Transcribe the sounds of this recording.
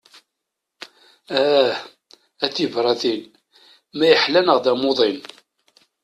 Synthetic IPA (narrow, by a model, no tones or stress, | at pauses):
æθivɾˤɑθin | mæjəħlænəʁðæmoðˤin